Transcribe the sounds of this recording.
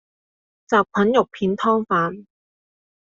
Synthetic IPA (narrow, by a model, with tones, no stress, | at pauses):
t͡saː˨p̚kʷʰɐ˨˥njʊ˨k̚pʰiː˨˧nt̪ʰɔː˥ŋfaː˨˥n